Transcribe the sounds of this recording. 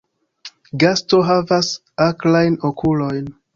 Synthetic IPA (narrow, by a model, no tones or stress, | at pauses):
ɡasto̞ɦavas | aklajnokʰulo̞jn